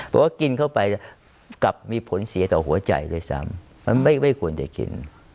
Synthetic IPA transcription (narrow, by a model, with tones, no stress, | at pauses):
pʰɔː˨˩waː˥˩ki˧nkʰa˥˩wpa˧j | ka˨˩p̚miː˧pʰo˨˩˦nsi˨˩˦t̪ɔː˨˩hu˩˦ɐt͡ɕa̰˧jlɤː˧˥˩jsa̰˦˥˩mː | a˧nma˥˩jma˥˩jkʰu˧ənt͡ɕa˨˩kḭ˧n